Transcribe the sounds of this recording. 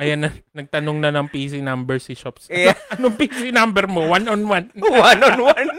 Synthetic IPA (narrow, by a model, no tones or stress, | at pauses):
ʔɐjanːɐnɐɡ̚t̪ɐnoŋnɐnɐŋpis̬inambɛɹsiʃɔpsɐɐnoŋpisinambɛɾmowanɔnwanwanɔnwan